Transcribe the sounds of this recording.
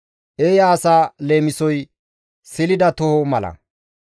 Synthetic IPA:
ʔeːjaːsaːle̞ːmɪsɔj | sɪlɪd̪ɐt̪ɔhɔmɐlɐ̰

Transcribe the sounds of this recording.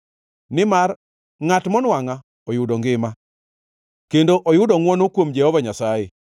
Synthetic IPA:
nɪmar | ŋatmɔnwaŋa | ɔjʊdoŋɡɪma | kendoʔojʊdɔŋwɔnokwomd͡ʒɛhɔvaɲasaje

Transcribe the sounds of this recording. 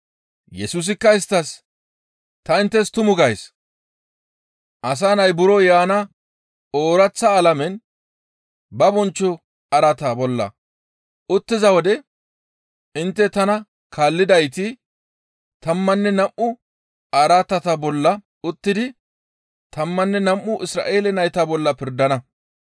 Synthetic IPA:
jɛsuːs̬ɪkːɐɪst̪ːɐs | t̪ɐɪnt̪ːɛst̪ʊmʊɡɐjs | ʔɐs̬aːnɐjbʊɾɔjaːnɐ | oːɾɐt͡sːɐːlɐmɛn | bɐbɔnt͡ʃːɔ | ɐɾɐt̪ɐbɔlːɐ̰ | ʔʊt̪ːɪzɐwɔd̪ɛ | ɪnt̪ːɛt̪ɐnɐ | kʰaːlːɪd̪ɐjt̪ɪ | t̪ɐmːɐnːɛnɐmʔʊ | ɐɾat̪ɐt̪ɐbɔlːɐ | ʊt̪ːɪd̪ɪ | t̪ɐmːɐnːɛnɐmʔːʊʔɪsɾa̰ːʔe̞ːlɛnɐjt̪ɐbɔlːɐpɪɾd̪ɐnɐ

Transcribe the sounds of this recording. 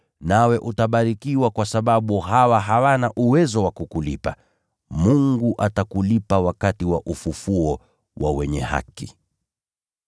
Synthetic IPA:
nawɛʔutaɓaɾikiwakwasaɓaɓuɦawaɦawanaʔuwɛzɔwakukulipa | muŋɡuʔatakulipawakatiwaʔufufuɔ | wʔa̰wɛɲɛha̰ki

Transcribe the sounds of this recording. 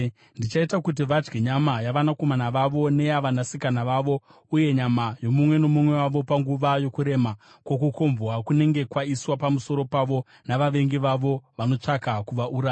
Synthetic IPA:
ndit͡ʃaitakut̬iʋad͡ʒɡeɲamajaʋanako̞manaʋaʋo̞ne̞aʋanasikanaʋaʋo̞ | uje̞ɲamajo̞mumwe̞no̞mumwe̞waʋo̞paŋɡuʋajo̞kuɾe̞ma | kwo̞kukʰo̞mvwakune̞ŋɡe̞kwaiswapamuso̞ɾo̞paʋo̞ | naʋaʋe̞ŋɡiʋaʋo̞ʋano̞t͡ʂakakuʋaʔuɾa

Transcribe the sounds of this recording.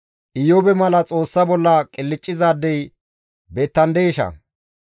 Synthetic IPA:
ʔɪjobɛmɐlɐt͡sʼo̞ːsːɐbɔlːɐkʼɪlːɪt͡ʃʼːɪzaːd̪ːɛj | beːt̪ːɐnd̪eːʃɐ̰

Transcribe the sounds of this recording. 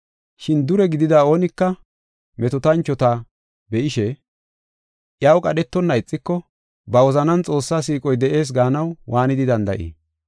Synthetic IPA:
ʃɪnd̪ʊɾɛɡɪd̪ɪd̪aːo̞ːnɪkːɐ | mɛt̪ɔt̪ɐnt͡ʃːɔt̪a | bɛʔɪʃɛ | ʔjawkʼɐɗɛt̪ːɔnːɐɪt͡sʼːɪkːɔ | bɐwɔzɐnɐnt͡sʼo̞ːsːaːsiːkʼɔjd̪ɛʔe̞ːs̬ɡaːnɐwwaːnɪd̪ɪd̪ɐnd̪ɐʔḭː

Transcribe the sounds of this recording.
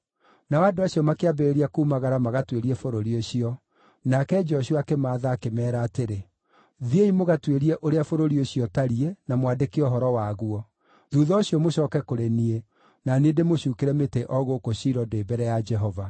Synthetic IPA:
nawadoaɕiɔmakeabeɾeɾiakuːmaɣaɾamaɣatweɾiɛfoɾoɾioɕiɔ | nakɛd͡ʒɔɕuakemaːðaːkemɛːɾaːteɾe | ðieimoɣatweɾiɛʔoɾeafoɾoɾioɕiɔtaɾienamwadekeɔɦɔɾɔwaɣuɔ | ðuðɔoɕiɔmoɕɔːkɛkoɾenie | nanedemoɕuːkeɾɛmeteʔɔɣokoɕiɾɔdeːbɛɾɛjad͡ʒɛɦɔva

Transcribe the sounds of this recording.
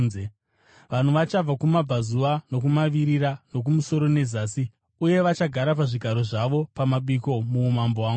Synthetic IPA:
ze | ʋan̤uʋat͡ʃab͡vakumab͡vʱazuʋano̞kumaʋiɾiɾano̞k̬umuso̞ɾo̞ne̞zaːsi | uje̞ʋat͡ʃaɡʱaɾap̬aʐiɡʱaɾo̞ʐaʋo̞pamaɓiko̞muːmambowaːŋɡu

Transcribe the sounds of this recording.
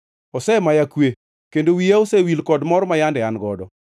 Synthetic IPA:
ɔsɛmajakwe | kendowijaosewilkɔdmɔɾmajandɛanɡɔdɔ

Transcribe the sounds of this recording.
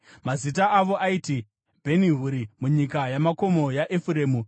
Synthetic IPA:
mazit̬aːʋo̞ʔaiti | bʱe̞niɦuɾimuɲikajamako̞mo̞jaʔefuɾe̞ːmu

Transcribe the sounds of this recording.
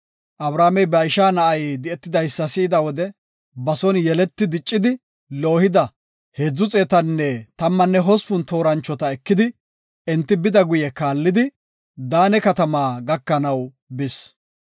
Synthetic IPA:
ʔɐbɾaːmɛjbɐɪʃaːnɐʔɐjd̪ɪɛt̪ːɪd̪ɐjsːɐsɪːd̪ɐwɔd̪ɛ | bɐsɔnjɛlɛt̪ːɪd̪ɪt͡ʃʼːɪd̪ɪ | lo̞ːhɪd̪ɐ | hed͡zːʊt͡sʼeːt̪ɐnːɛt̪ɐmːɐnːɛɦɔspʊnt̪o̞ːɾɐnt͡ʃːɔt̪ɐɛkːɪd̪ɪ | ɛnt̪ːɪbɪd̪ɐɡʊjɛkaːlːɪd̪ɪ | d̪aːnɛkɐt̪ɐmaːɡɐkːɐnɐw | bɪs

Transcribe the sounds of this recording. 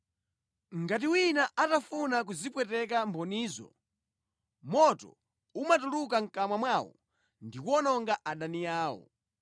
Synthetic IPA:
ŋɡat̬iwinaʔatafunak̬uzipwɛtɛk̬ambɔniːzɔ̰ | mɔtɔ̰ | umatuluk̬aŋ̩kamwamwawɔ̰ | ndikwɔnɔŋɡaʔaɗanijaːwɔ̰

